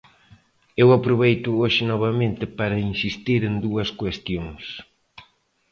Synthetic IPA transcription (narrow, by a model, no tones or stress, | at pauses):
ewɐpɾoβejt̪ʊoʃɪnɔβɐmẽnt̪ɪpaɾɐinsist̪iɾend̪uɐskwest̪joŋs